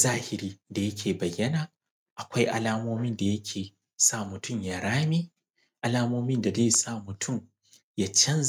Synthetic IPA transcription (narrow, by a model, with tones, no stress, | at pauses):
zaː˦hɪ˨ɾiː˦da˨jɐ˦kʲʰeː˨bɐ˨jːɐ˦naː˨ | ʔa˨kʷa˦jʔa̰˨laː˦moː˦mɪ˦nda˨jɐ˦kʲʰeː˨ | sa˦mʊ˨tʊ˦mjaː˨ɾaː˦miː˦ | ʔa˨laː˦moː˦mɪ˦nda˨zeː˦sa˦˨mʊ˨tʰʊ˦˨m | jaː˦t͡ʃɐ˦n